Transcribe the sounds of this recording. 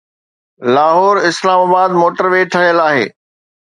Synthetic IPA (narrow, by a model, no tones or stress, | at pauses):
laːɦɔːɾɪslaːmaːbaːd̪̚moːʈəɾʋeːʈʰɐɦijəlaːɦḛː